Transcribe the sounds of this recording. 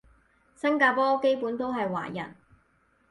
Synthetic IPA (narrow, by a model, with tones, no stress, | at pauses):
sɐ˥ŋkaː˧pɔː˥ke˥jpuː˨˥nt̪o˥wɦɐ˨jwa̰ː˨˩jɐ̰˨˩n